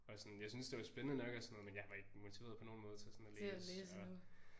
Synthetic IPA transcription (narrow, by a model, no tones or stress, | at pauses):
ɒ̽sɒnjɑ̈ɪsynsd̥e̝ʋɑ̈sb̥enənənɒ̽ɡ̥ɒsɒnɔ̽ð̩ˠmenjɑ̈ɪʋɑ̈e̝ɡ̥əmo̝t͡sʰiʋe̝ːɐðˠpʰɒ̽no̝ːnmɔ̽ːð̞ˠt͡sʰe̝sɒnɒleːeːɒ